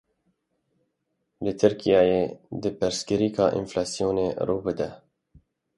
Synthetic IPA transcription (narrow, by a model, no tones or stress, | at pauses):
lɨt̪ʰɨɾkijɑːjed̪ɨpɨɾskɨɾiːkʰɑːʔḭnflɑːsijoːneɾuːbɨd̪ɛ